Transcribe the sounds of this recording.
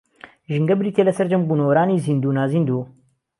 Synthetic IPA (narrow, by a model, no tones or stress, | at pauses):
ʒɨŋɡɐbɾiːt̪ʰeːlɐsɐɾd͡ʒɐmbuːnɐwɐɾaːniːzind̪uːnaːzind̪u